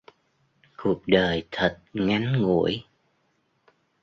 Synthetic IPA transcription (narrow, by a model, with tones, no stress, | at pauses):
ku˨˩ək̚ɗəː˨˩jt̪ʰə˨˩t̚ŋa˨˦jŋŋṵ˧˨əj